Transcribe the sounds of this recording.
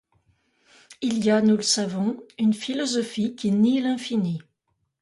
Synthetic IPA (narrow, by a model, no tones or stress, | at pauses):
ilijanuləsavɔ̃ynfilɔzɔfikʲinilɛ̃fini